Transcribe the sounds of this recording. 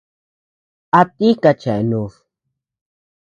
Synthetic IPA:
a˨t̪i˦ka˧t͡ʃɛ˨nu˨ʂ

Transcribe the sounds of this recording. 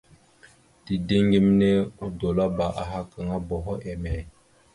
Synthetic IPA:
ti˨de˦ŋɡi˦m˦ne˦u˦do˨la˦ba˨ʔa˨ɦa˦kə˨ŋa˦bɔ˨ɦɔ˦ʔɛ˨mɛ˨

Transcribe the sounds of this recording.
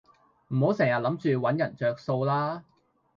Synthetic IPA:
m̩˨˩ho˨˥wsɛː˨˩ŋjɐ˨t̚lɐ˨˥mt͡ʃyː˧wɐ˨˥njɐ˨˩nt͡ʃœː˨k̚so˧wlaː˥

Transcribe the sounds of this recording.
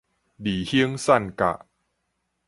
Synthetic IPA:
diː˨˩hi˦əŋsa˥˩nka̰˨˩ʔ

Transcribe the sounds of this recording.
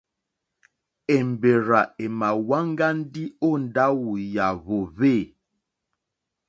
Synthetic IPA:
e˨m˨be˨ɾa˨e˨ma˨wa˦ŋ˦ɡa˦n̩˦di˦o˦˨n˨da˦wu˨ja˨βo˨βe˦˨

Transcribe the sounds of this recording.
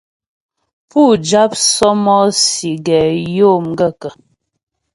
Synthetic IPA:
pu˦˨d͡ʒa˦p̚sɔ˦mɔ˦si˨ɡɛ˨jo˦˨mɡə˦˨kə˨

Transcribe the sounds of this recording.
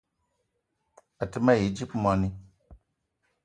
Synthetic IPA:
a˨tɨ˦ma˦˨ji˨d͡ʒi˦pma˨ni˦

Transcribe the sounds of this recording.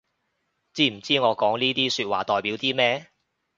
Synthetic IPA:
t͡siː˥m̩˨˩t͡siː˥ŋɔː˨˧kɔː˨˥ŋniː˥t̪iː˥syː˧t̚waː˨˩t̪ɔː˨˩jpiː˨˥wt̪iː˥mɛː˥

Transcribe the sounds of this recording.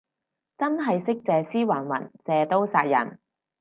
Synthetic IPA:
t͡sɐ˥nɦɐ˨jsɪ˥k̚t͡sɛː˨siː˥waː˨˩nwɐ̰˨˩nt͡sɛː˨˧t̪o˥wsaː˧t̚jɐ̰˨˩n

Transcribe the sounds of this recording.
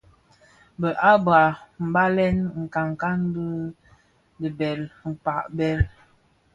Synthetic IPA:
bə˨ʔa˦ba˨m̩˨ba˦lɛ˦nŋ̩˨ka˨ŋ˨ka˦n˦də˦ | də˨bɛ˨lŋ̩˨pa˨ʔbɛ˦l

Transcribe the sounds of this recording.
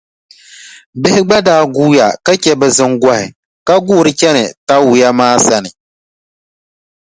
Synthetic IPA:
bɪ˦hɪ˦ɡ͡ba˦daː˦ɡuː˦ja˨ka˦kɛ˦bɛ˨zɨ˦ŋɡa˦hɪ̰˨ | ka˦ɡuː˦˨ɾɨ˦t͡ʃɛ˦nɨ̰˨ta˦wu˨ja˦maː˦sa˦nɨ˨

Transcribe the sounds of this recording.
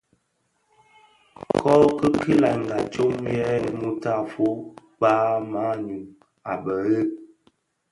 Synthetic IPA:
kʰɔ˦kə˦ki˦la˨ŋ˨ɡa˨t͡ʃo˦mjɛ˦mu˦ta˦˨fo˦ | paː˦ma˦ɲu˨ | a˨bə˨ɣə˦˨

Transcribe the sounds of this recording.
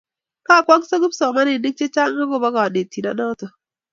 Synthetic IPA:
ka˦˨kwa˦ŋso˦ɡu˦psɔ˨ma˦nɪ˨ni˦k̚t͡ʃe˦t͡ʃa˦ŋa˦ɡo˦˨ba˦ɡa˨ne˨ti˨na˦ɗɔ˦tɔ˨

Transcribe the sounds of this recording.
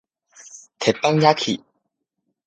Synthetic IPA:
t̪ʰe˨˩pːa˦ŋja˦kʰḭ˨˩

